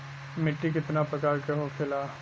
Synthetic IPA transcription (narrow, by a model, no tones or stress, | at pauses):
mɪʈːik̬ɪt̪napɐkaːɾkeɦokʰɪlaː